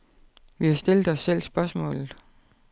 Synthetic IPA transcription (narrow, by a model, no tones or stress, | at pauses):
ʋihɑ̈sd̥e̝ld̥ɒ̽sːel̰sb̥ɶɐsmɔ̰̽ːlð̩ˠ